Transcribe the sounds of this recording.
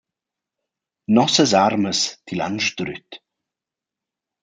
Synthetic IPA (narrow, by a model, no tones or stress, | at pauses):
nɔsəsaɾməst̪ʰila̰nʃd̪̥ɾy̰t̪